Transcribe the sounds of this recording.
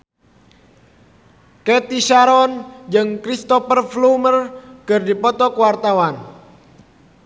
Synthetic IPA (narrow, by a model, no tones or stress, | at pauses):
kɛt̪isaɾɔnd͡ʒɨŋkɾist̪ɔfərflumərkɨrdipɔt̪ɔkəwart̪awan